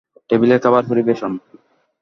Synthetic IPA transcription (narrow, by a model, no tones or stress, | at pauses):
ʈebileɾkabaɾfoɾibeʃon